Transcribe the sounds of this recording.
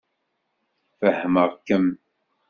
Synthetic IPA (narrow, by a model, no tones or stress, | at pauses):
fəhəməʁkːəm